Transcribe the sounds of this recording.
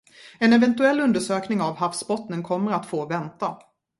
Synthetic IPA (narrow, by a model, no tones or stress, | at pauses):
ɛnɛvɛnt̪ɵɛlːɵnd̪əʂøːknɪŋavhafsbɔt̪nənkʰɔmːəɾat̪foːvɛnt̪a